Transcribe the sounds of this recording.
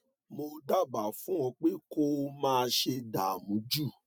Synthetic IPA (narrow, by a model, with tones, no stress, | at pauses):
mo˧da˦˨ba˨fũ˨˦w̃ɔ̃˧k͡pe˦ko˦mãː˦˧ʃe˧da˨mũ˨˦d͡ʒu˦˨